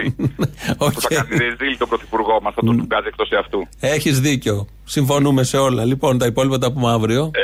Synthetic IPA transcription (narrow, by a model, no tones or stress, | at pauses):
i | opuθɐeniɾizilit̪obɾoθi̥puɾɣo̞mɐsθɐt̪uuɡɐziekt̪osiɐft̪ue̞çizðiceo | siɱfo̞nume̞se̞o̞lɐlipo̞nt̪ɐipo̞lipɐt̪ɐp̬umɐvɾio̞